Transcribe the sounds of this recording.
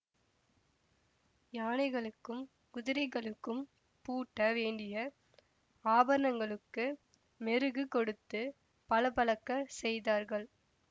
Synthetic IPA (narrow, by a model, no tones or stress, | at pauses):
jaːnɐɪɣɐɭɯkːɯm | kʊðɪɾɐɪɣɐɭɯkːɯm | puːʈːɐʋeːɳɖɪjɐ | aːbɐɾɐnɐŋɡɐɭɯkːɯ | mɛɾɯɣɯkɔɽɯt̪ːɯ | pɐlɐpɐɭɐkːɐsɛjðaːɾɣɐɭ